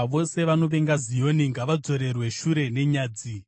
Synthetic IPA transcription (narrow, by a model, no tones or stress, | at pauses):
ʋo̞se̞ʋano̞ʋe̞ŋɡazijo̞niŋɡaʋad͡zo̞ɾe̞rwe̞ʃuɾe̞ne̞ɲaːd͡zi